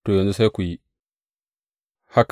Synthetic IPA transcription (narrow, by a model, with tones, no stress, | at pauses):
tu˨jo˨nu˦sa˦jku˨ji˦ | ha˦k